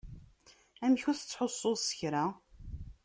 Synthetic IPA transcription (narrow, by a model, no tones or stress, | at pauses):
æmçuθət͡sːħosˤːosə̥çɾa